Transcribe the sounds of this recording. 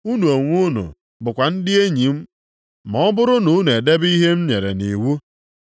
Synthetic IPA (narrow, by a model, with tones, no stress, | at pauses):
u˦nu˨e˨ŋʷu˦nṵ˨ | bʊ˨kʷa˨n̩˦dɪ˦e˦ɲi˨m̩˦ | mɔ˨˦bʊ˦ɾʊ˦nʊ˨˦n˨e˨de˦bi˦ɦe˦m̩˦ɲe˨ɾḛ˨ni˨wu˦